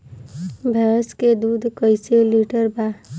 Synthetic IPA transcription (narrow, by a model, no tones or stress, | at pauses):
bʱɛsked̪uːd̪ʱkəɪseliʈəɾba